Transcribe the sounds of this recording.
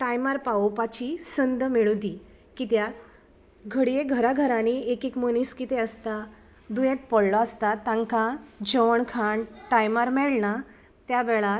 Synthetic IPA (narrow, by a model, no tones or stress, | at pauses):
ʈajmaɾpaopat͡ɕisənd̪miɭud̪i | kit̪jat̪ | ɡʱəɽijeɡʱəɾaɡʱəɾaniekekməniskit̪eəst̪a | d̪ujẽt̪̚pəɽlɔəst̪at̪ːãŋkad͡ʑɔɳkʰaɳʈajmaɾmɛɭɳa | t̪jaʋɛɭat̪